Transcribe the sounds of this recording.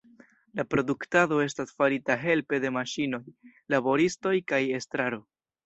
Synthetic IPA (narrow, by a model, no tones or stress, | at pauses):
lapɾo̞duktado̞e̞stasfaɾitaɦe̞lpe̞de̞maʃino̞j | labo̞ɾisto̞jkaje̞stɾaɾo̞